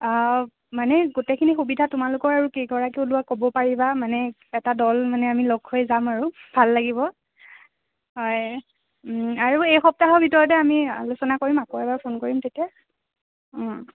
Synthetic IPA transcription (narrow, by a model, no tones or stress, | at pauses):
manɛɡutekʰinixubidʱatʊmalʊkɔɹaɹukejkɔɹakeʊlʊwakobɔpaɹibamanɛ | ɛtadɔlmanɛamiloɡhojzamaɹubʱalːaɡibɔ | ɦɔj | aɹuejxɔp̚taɦɔɹbʱitɔɹɔtɛamialʊsɔnakoɹimakoɛbaɹpʰonkoɹimtetija